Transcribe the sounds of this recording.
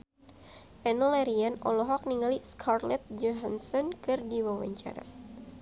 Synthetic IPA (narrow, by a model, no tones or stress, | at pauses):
ʔɛnɔlɛɾianɔ̰lɔɦɔk̚niŋaliskʰarlɛt̪̚d͡ʒɔɦansɔnkɨrdiwawa̰ɲt͡ʃa̰ɾa̰